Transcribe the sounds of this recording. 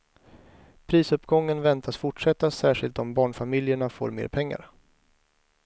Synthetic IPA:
pʰɾiːsɵpːɡɔŋːənvɛnt̪ʰasfʊʈʂɛt̪ːasæːʂɪlt̪ɔmbɑːɳfamɪljəɳafo̰ːɾmḛːɾpʰɛŋːa̰ɾ

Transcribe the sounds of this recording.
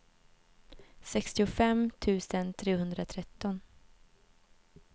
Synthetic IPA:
sɛkst̪ɪʊfɛmt̪ʰʉ̟ːsənt̪ʰɾeːhɵnd̪ɾat̪ʰɾɛt̪ːɔn

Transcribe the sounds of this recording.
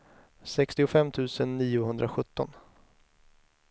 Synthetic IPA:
sɛkst̪ɪʊfɛmːt̪ʰʉ̟ːsənːiːʊɦɵnd̪ɾaɧɵt̪ːɔn

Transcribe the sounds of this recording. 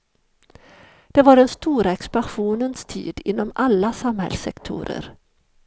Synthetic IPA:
d̪̥ɛvaɖɛnst̪uːɾaɛkspanɧuːnənst̪ʰḭːd̪ɪnːɔmalːasamhɛ̰lsːɛkt̪ʰʊ̰ːɾə̰ɾ

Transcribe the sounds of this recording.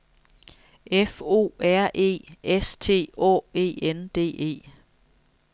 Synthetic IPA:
efo̝̰ːæɐ̰ʔe̝̰ːest͡sʰe̝̰ːɒ̰ːe̝̰ːend̥e̝̰ːe̝̰ː

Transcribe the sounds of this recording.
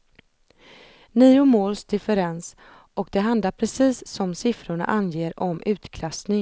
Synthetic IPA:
niːʊmoːlsd̪ɪfɛɾɛns | ʔɔkd̪ɛɦand̪laɾpʰɾɛsiːsːɔmsɪfɾʊɳa̰ʔanjeːɾɔmʔʉ̟ːt̪kʰlasnɪŋ

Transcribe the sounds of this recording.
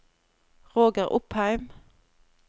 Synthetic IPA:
ʁoːɡəʁʔʊphæɪm

